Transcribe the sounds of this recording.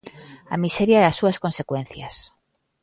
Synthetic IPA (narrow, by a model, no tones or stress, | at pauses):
amiseɾjaeasːuaskonsekwẽn̟θjas